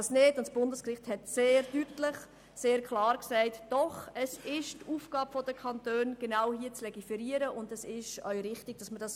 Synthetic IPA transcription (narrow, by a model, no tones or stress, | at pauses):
snɪdʊntsb̥ʊndəskrɪχthɛtseːɾdytlɪχ | seːɾkχlɑːɾksɛɪtd̥ɔχɛsɪʃtuːfɡ̥ɑːbfɔdəkʰχɑntøːnɡ̥enaʊhiːət͡slɛɡifɛɾiːəɾəʔʊndɛsɪʃœʏɾɪχtɪɡ̥̚d̥ɑsməd̥ɑs